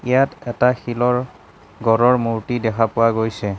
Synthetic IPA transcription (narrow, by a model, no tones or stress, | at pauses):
ijatɛtaxilɔɹ | ɡɔɹɔɹmuɹtidɛkʰapʊwaɡojsɛ